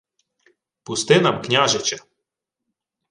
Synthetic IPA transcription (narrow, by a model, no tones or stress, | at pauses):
pʊst̪ɪnɐmknʲaʒɛt͡ʃɛ